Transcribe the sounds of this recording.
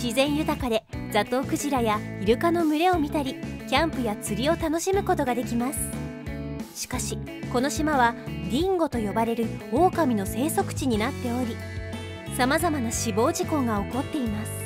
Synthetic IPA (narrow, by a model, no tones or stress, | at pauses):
ɕizẽ̞ɰ̃jɯ̟t̪akad̪e̞d͡zat̪ːo̞ːkɯ̟ʑiɾajaiɾɯ̟kano̞mɯ̟ɾe̞o̞mʲit̪aɾʲikʲãmpɯ̟jat͡sɨɾʲio̞t̪ano̞ɕimɯ̟ko̞t̪o̞ɡad̪e̞kʲimasɨ̥ | ɕi̥kaɕi | ko̞no̞ɕimaβaɾʲĩŋɡo̞t̪o̞jo̞baɾe̞ɾɯ̟o̞ːkamʲino̞se̞ːso̞kɯ̟̥t͡ɕiɲ̟inat̪ːe̞o̞ɾʲi | samazamanaɕibo̞ːʑikõ̞ŋɡao̞ko̞t̪ːe̞imasɨ̥